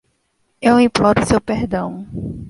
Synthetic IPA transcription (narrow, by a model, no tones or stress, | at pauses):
ewĩplɔɾʊsewpeɾd̪ɐ̃w̃